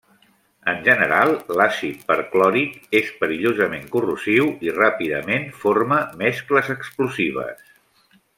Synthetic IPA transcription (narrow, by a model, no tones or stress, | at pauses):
ənʲʒənəɾalˠlasit̪̚pəɾklɔɾikespəɾiʎozəmeŋkuruziwirapiðəmenforməmɛskləzəkspluziβ̞ə̰s